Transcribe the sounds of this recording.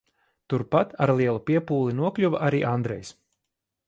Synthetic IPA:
t̪uɾpat̪aɾlˠiɛlˠupʲiɛpuːlˠinuɔklʲuvaʔaɾiːʔand̪ɾɛ̰js

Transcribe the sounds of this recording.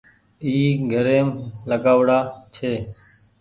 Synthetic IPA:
iːɡʱəɾeːmləɡaːʋɽaːt͡ʃʰeː

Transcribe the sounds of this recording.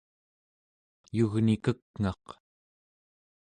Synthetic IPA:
juɣnikəkŋɑq

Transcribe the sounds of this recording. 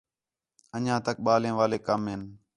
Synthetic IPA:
əɲãːt̪ək̚ɓaːlẽːʋaːleːkəmɦɪn

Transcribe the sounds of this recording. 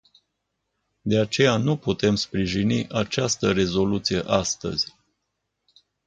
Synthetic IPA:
d̪e̞at͡ʃe̞januput̪e̞mspɾiʒiniʔat͡ʃast̪əɾe̞zo̞lut̪sije̞ʔast̪ə̰z̥ʲ

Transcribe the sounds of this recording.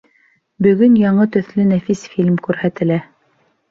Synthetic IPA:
bɵ̆ɡɵnjɑɴɤt̪ɵ̆θlɘnæfisfilʲmkʉɾhæt̪ɘ̆læ

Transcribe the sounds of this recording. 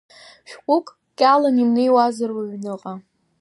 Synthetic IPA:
ʃᶣkʷʼʊkʼ | kʲʼalamimnejwazarwaɥnɨqʼa

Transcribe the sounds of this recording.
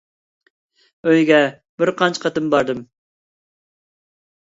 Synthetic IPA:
øjɡʲɛ | b̥ɪɾqʰɑnt͡ʃʰqʰɑt̪ɨmbɑɾd̪ɨm

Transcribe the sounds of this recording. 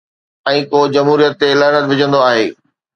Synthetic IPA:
ɛ̃ːkoːd͡ʑɐmɦuːɾijət̪ːelaːnət̪ʋɪd͡ʑʱə̃nd̪oaːɦeː

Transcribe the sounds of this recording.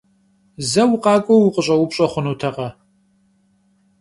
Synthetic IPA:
zɐwʊqɑːkʷʼowʊqʼəɕʼɐwʊpɕʼɐχʷʊnuːtʰɐqɐ

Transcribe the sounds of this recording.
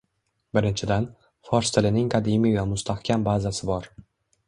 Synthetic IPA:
bɪɾɪnt͡ʃʰɪd̪an | fɒɾst̪ʰɪlɪnɪŋkʰad̪imijvamʊst̪ahkʲʰambazasɪbɒɾ

